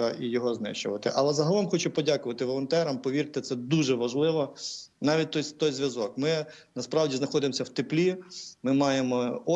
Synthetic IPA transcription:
ɐʔijɔɦɔznɪ̰ʃt͡ʃʊʋɐt̪ɪʔɐlˠɛzɐɦɐlˠɔmxɔt͡ʃʊpɔdʲakʊʋɐt̪ɪʋɔlˠɔnt̪ɛɾɐmpɔʋʲiɾt̪ɪt̪sɛd̪uʒɛʋɐʒlˠɪʋɔnɑʋʲit̚ʲt̪ɔjt̪ɔjzʲʋjɐzɔkmɪnɐspɾɑwdʲiznɐxɔd̪ɪmɔsʲɐwt̪ɪplʲimɪmɑjemɔɔ

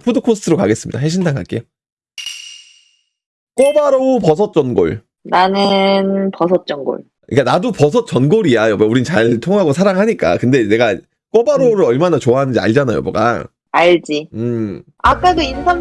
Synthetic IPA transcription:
pʰudokʰostʰɯɾokaɡe̞s͈ɯmɲḭd̥aɦeɕ̬ʰindaŋɡa̰k͈e | k͈ʌbaɾopʌsʰʌt̚t͡ɕ͈ʌnɡo̰ɭ | nanɯnpʌsʰʌt̚t͡ɕ͈ʌnɡo̰ɭ | ḭk͈anadopʌsʰʌt̚t͡ɕ͈ʌnɡoɾiajomuɾint͡ɕaɭtʰoŋɦaɡosʰaɾaŋɦaɲik͈a̰kɯnde̞ne̞ɡa | k͈ʌbaɾoɾɯɾʌɭmanat͡ɕoaɦanɯnd͡ʑia̰ɭd͡ʑanajo̰moɡa̰ | aɭd͡ʑiɯ | ak͈adoinsʰaŋ

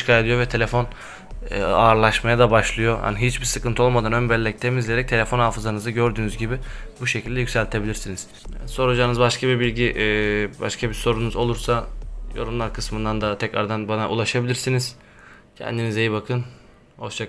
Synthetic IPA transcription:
ʃkʰaːed̪ijovɛt̪ʰe̞lʲefo̞n | aɾlˠaʃmajad̪abaʃlˠɯjo̞ha̰niɦit͡ʃbiɾsɯkɯnt̪ʰo̞lˠmad̪anønbɛlʲːɛc̚t̪ʰemizlʲeɾɛc̚t̪ʰeefo̞nhaːfɯzanɯzɯɟø̞ɾd̪yːnyzɟibibuʃecʰilʲd̪ɛjycʲsælʲt̪ʰe̞bilʲiɾsiniz̥ | so̞ɾud͡ʒaːnɯzbaʃkʰabibilʲɟiʔba̰ʃkʰabiso̞ɾunuzo̞lˠuɾsajoɾumlˠaɾkʰɯsmɯnd̪and̪at̪ʰɛcɾa̰ɾd̪anbanaʔṵlˠaʃabilʲiɾsiniz̥ | cʰɛ̰nd̪inizejibakʰɯn | hoʃt͡ʃʰak

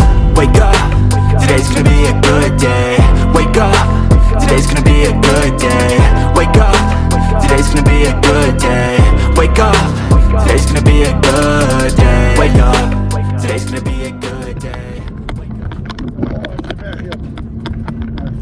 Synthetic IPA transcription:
weɪkʌp | tʰɨdeɪtsɡ̥ʌnɨbiɨɡʊd̚deɪweɪkʌp | tʰɨdeɪtsɡ̥ʌnɨbiɨɡʊd̚deɪweɪkʌp̚ | tʰɨdeɪtsɡ̥ʌnɨbiɨɡʊd̚deɪweɪkʌptʰɨdeɪtsɡ̥ʌnɨəbiɨɡʊdeɪweɪkʌptʰɨdeɪtsɡ̥ʌnɨbiɨɡʊ | de

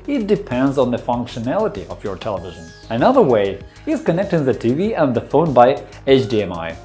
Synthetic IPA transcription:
ɪt̚d̥ɨpʰɛ̃ndzn̩ðəfʌ̃ŋkʃɨnælˠəɾḭʔʌ̰vjə˞tʰɛlˠəvɪʒə̃n | ɨnʌðə˞weɪ | ɪz̥kɨnɛk̚tɪ̃ŋðɨtʰiviə̃nðəfõʊ̃nbaɪ | et͡ʃdiɛ̃ma̰ɪ

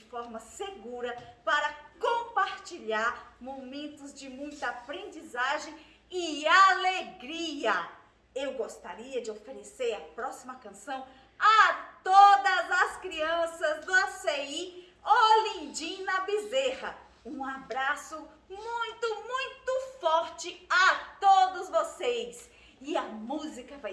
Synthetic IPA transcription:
ɪfɔɾmɐseɡuɾɐpaɾɐkõpaɾt͡ʃiʎaɾmomẽnt̪ʊzd͡ʒɪmũj̃t̪ɐapɾẽnd͡ʒizaʒẽj̃ | ɪaleɡɾiɐ | ewɡost̪aɾiɐd͡ʒɪofeɾeseɾɐpɾɔsimɐkɐ̃sɐ̃w̃ | ɐt̪od̪ɐzɐskɾiɐ̃sɐzd̪ʊasei | olĩd͡ʒĩnɐbizehɐ | ũabɾasʊ | mũj̃t̪ʊmũj̃t̪ʊfɔɾt͡ʃɪat̪od̪ʊzvosejs | ɪɐmuzikɐvaj

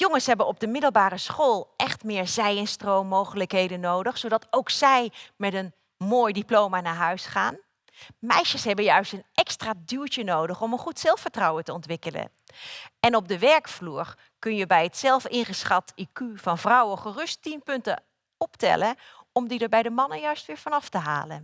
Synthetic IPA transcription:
joŋənsɦɛbənɔb̚dəmɪdəlˠbaːrəsχoːlˠʔɛχtmɪːɹzɛjənstrowmːowχələkɦejdənːowdəχsowdɑtowksɛjmɛtən | moːjdiplowmaːnaːɹɦœɥsχaːn | mɛjʃəsɦɛbənjœɥstənʔɛkstraːdyɹtənowdəχɔmənχutsɛlˠfəɹtrɑwəntəɔntʋɪkələ̰n | ɛnɔb̚dəʋɛɹkfluːɹ | kɵnjəbɛjətsɛlˠfɪnχəsχɑtikyv̥ɑnvrʌwəχərɵstimpɵntə̰ | ɔptɛ̰ləɔmdidəɹbɛjdəmɑnəjœɥstʋɪːɹv̥ɑnɑftəɦa̰ːlə̰n

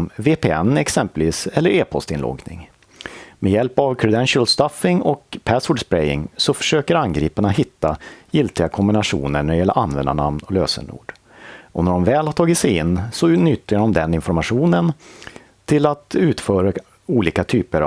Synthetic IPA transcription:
veːpeːɛnːɛksɛmpəlviːsɛlːəɾeːpʰɔ̰st̪ɪnlɔ̰ɡnɪ̰ŋ | mɛjɛlpavkʰɾɵd̪ɛnʂəlst̪afɪŋɔkpʰæsɔɖspɾɛjɪ̰ŋsɔfœ̥ʂøːkəɾanɡɾiːpanahɪt̪ːajɪlt̪ɪɡakʰɔmbɪnaʂṵːnəɳæɖɛjɛlːə̰ʔanvɛnd̪a̰ɳa̰mnɔløːsə̰ɳṵːɖ | ɔnæɖɔmvɛːlhaʈ̪ʰɑːɡɪt̪sɛjɪnːsɔnʏt̪ːjaɖɔmd̪ɛnɪnfɔɾmaɧuːnən | t̪ʰɪlat̪ʉ̟ːt̪fœːɾa | uːliːkat̪ʰyːpəɾ

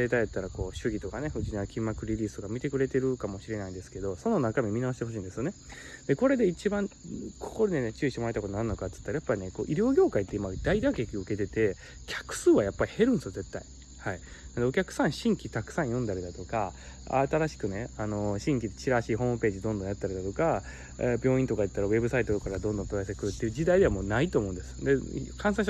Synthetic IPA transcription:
et̪ajat̪ːaɾako̞ːɕɨɡʲit̪o̞kane̞ɸɯ̟d͡ʑiɲaakʲĩmːakɯ̟ɾʲiɾʲiːsɨ̥t̪o̞kamʲit̪e̞kɯ̟ɾe̞t̪e̞ɾɯ̟kamo̞ɕiɾe̞naĩnd̪e̞sɨ̥ke̞d̪o̞so̞no̞nakamʲimʲinaɕi̥t̪eɦo̞ɕ̬iːnd̪eɨjo̞ne̞ | d̪e̞ko̞ɾe̞d̪e̞it͡ɕibãŋkʰo̥ko̞ɾed̪enet͡ɕɨːit̪eoɾait̪akoonaɾɯ̟nokat͡sɨ̥t̪ːaɾajapːaɾine̞ko̞̰ːʔiɾʲjo̞ːɡʲo̞ːkait̪ːeimad̪aid̪akekʲiɯ̟ke̞t̪e̞t̪e̞ | kʲʰḁkɯ̟̥sɨːβajapːaɾʲihe̞ɾɯ̟̃ndesɨjoze̞t̪ːai | hai | nad̪e̞o̞kʲakɯ̟̥sãɰ̃ɕĩŋkʲit̪akɯ̟̥sãɰ̃jõ̞nd̪aɾid̪at̪o̞kaa̰t̪aɾaɕi̥kɯ̟ne̞ano̞ɕĩŋkʲid̪et͡ɕiɾaɕiːɦo̞ːmɯ̟pe̞ːʑid̪õnd̪õjat̪ːaɾʲid̪at̪o̞ka | bʲo̞ːĩnt̪o̞kaɯt̪ːaɾaβe̞bɯ̟sait̪ookaɾad̪õ̞nd̪õt̪oɡasekɯ̟ɾɯ̟t̪ːeiɯ̟d͡ʑid̪aid̪e̞amoːnait̪o̞ːmo̞ɯ̟̃nd̪e̞sɨ̥d̪e̞kʰãɰ̃s̬ãɕ

